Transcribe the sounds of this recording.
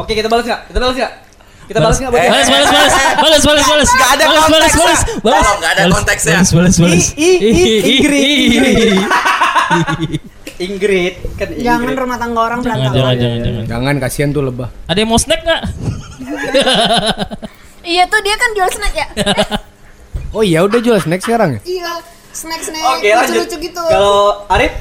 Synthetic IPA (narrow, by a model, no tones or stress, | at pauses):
okekit̪abalasŋɡaʔki̥t̪abalasŋaʔ | kit̪abbalasɡababalasbalasbalasbaləsbalasbalasaadaalasbalasbalasbalasadalɔt̪ɛksbalasbalasbaləs | ɡɾi | iŋɡɾɪt̪̚kand͡ʒaŋanrumaht̪aŋɡaoɾaŋsd͡ʒaad͡ʒaand͡ʒaŋand͡ʒa̰ŋa̰nd͡ʒa̰ŋankasiant̪uləbahadamosənɛk̚ŋaʔ | ijat̪ʊdiakand͡ʒualsnɛkja | oijaudahd͡ʒulasnɛk̚səkaɾaŋjaija | sənɛksnɛoealat͡ʃud͡ʒut͡ʃuɡit̪ukaloaɾɪf̚